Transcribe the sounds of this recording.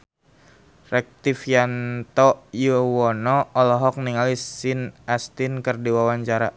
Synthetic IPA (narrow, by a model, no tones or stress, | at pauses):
rɛk̚t̪ifjant̪ɔjuwɔnɔːlɔɦɔk̚niŋalisinast̪inkərdiwawaɲt͡ʃaɾa̰